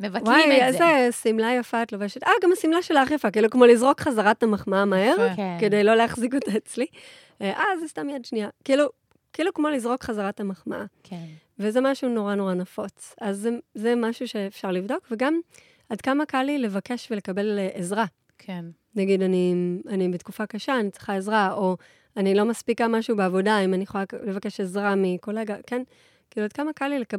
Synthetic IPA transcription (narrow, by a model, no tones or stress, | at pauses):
mevwajezesimlajafaːtloveʃetʔaɡamasimlaʃelaaχjafakiilukmo̞lizʁokχazaʁathamaχmaamaɦeʁke̞dejlo̞leaχzikotaet͡sli | ʔazestamjadʃnijakiiːlu | kiilukmo̞lizʁo̞kχazaʁathamaχma̰ʔak | vezemaʃuno̞ʁano̞ʁanafo̞t͡sazezemaʃuʃe̞ːfʃaʁlivdo̞kve̞ɡam | adkamakalile̞vake̞ʃvele̞kabe̞leʔezʁa | kʰe | naɡidanianibetkufakaʃaːnit͡sʁi̥χae̞zʁao̞ | anilo̞maspikamaʃubeavo̞daimaniχolale̞vakeʃezʁamiko̞leɡaken | kiiluad̚kamakalile̞ka